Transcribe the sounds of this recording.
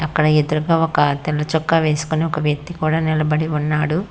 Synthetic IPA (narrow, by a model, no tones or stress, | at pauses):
ɐkːɐɽɐed̪uɾuɡaːɔkɐt̪ɛlːɐt͡ʃɔkːaːʋe̞ːsu̥koniɔkɐʋjɐk̚t̪ikuːɽaːnilɐbɐɽiunːaːɽu